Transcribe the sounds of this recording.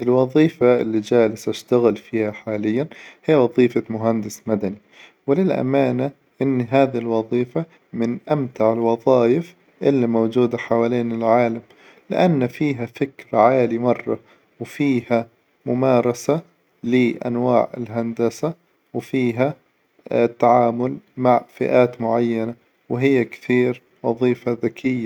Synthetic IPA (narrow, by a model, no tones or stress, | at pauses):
ʔɪlwɑðˤiːfaʔɪ̰lːid͡ʒaːlɪsʔaʃt̪aɣɪlfiːhaħaːlɪjːanhɪjːwɑðˤiːfamʊɦand̪ɪsmad̪ani | wɪlɪlʔa̰maːna | ʔɪnːɦaːðiɪlwɑðˤiːfa | mɪnʔamt̪aʕɪlwɑðˤɑːjɪf | ʔɪlːimowd͡ʒuːd̪aħawaːliːnɪlʕaːlam | lɪ̰ʔanːfiːɦafɪkɾʕaːlimɑrˤːɑ | wfiːha | mʊmaːɾˤɑsa | lɪʔa̰nwaːʕɪ̰lɦand̪asa | wɪfiːɦa | t̪ːaʕaːmʊlmaʕfɪ̰ʔaːt̪mʊʕajːana | wɪɦɪjːakθiːɾ | wɑðˤiːfaðakʰɪjːa